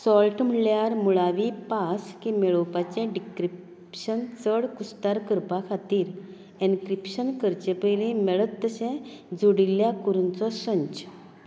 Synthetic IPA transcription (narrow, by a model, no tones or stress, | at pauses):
sɔlʈm̤əɳɭjaɾmuɭaʋipaskĩmɛɭowpat͡ɕɛ̃ɖikɾip | ɕənt͡səɽkust̪aɾkəɾpakʰat̪iːɾ | ẽŋkɾipɕənkəɾt͡ɕepəjlĩmɛɭət̪ːəsɛ̃d͡zoɽilːjakuɾunt͡sɔsə̃ɲt͡ɕ